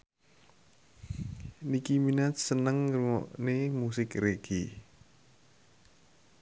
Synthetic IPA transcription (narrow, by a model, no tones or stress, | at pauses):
nikiminat̪sənəŋɾumɔ̰ʔnemusɪkreɡ̥i